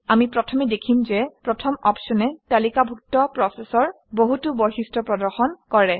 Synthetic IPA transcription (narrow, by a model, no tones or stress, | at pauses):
amipɹɔtʰɔmɛdekʰimzɛpɹɔtʰɔmɔpsɔnɛtalikabʱuk̚tɔpɹɔsɛsɔɹ | boɦutubɔɦistɹɔpɹɔdɔɹxɔnkɔɹɛ